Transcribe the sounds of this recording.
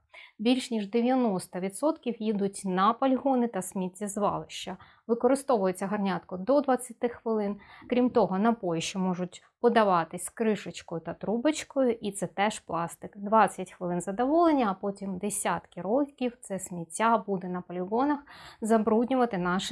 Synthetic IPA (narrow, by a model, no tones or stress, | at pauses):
bʲilʲʃnʲiʒd̪eʋʲjɐnɔst̪ɐʋʲid̪sɔt̪kʲiwjid̪ʊtʲnɐpɔlʲiɦɔnɪt̪ɐsʲmʲitʲːizʋɑ̰lˠɪʃt͡ʃɐ | ʋɪkɔɾɪst̪ɔʋʊjet͡sʲːɐɦɐrnʲat̪kɔd̪ɔd̪ʋɐt͡sʲːɐt̪ɪxʋɪlˠɪnkɾʲimt̪ɔɦɔnɐpɔjʃt͡ʃɔmɔʒʊtʲ | pɔd̪ɐʋɑt̪ɪsʲkɾɪʃɪt͡ʃkɔjʊt̪ɐt̪ɾubɪt͡ʃkɔjʊʔit̪sɛt̪ɛʃplˠɑst̪ɪkd̪ʋɑt͡sʲːɐtʲxʋɪlˠɪnzɐd̪ɔʋɔlˠenʲːɐːpɔtʲimd̪esʲat̪kɪɾɔkʲiwt̪sɛsʲmʲitʲːabud̪ɛnɐpɔlʲɪɦɔnɐxzɐbɾudʲnʲʊʋɐt̪ɪnɑʃ